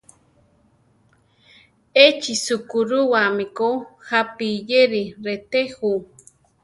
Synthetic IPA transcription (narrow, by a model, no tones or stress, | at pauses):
et͡ʃisukuɾuwamikoxapijeɾiɾet̪exu